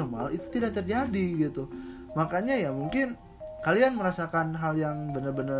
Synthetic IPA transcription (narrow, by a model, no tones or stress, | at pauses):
oma̰lit̪u̥t̪idak̚t̪ərd͡ʒadiɡit̪u | makaɲajamuŋkɪn | kalianməɾasakanɦaljaŋbənərbənə